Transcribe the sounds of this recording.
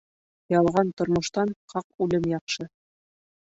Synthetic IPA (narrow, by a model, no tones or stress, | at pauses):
jɑlˠʁɑnt̪ŏɾmŏʃt̪ɑnqɑqʉlɘmjɑqʃɤ